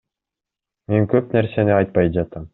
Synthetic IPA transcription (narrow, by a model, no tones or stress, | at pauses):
meŋkøpnæɾseniɑjt̪̚pɑjd͡ʒɑt̪ɑm